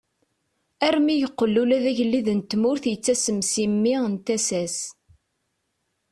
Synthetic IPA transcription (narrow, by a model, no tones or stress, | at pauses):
æɾmijəqːəlːulæðæʝəlːiðənt̪mʊɾθjət͡sːæsəmsimːiənt̪æsæs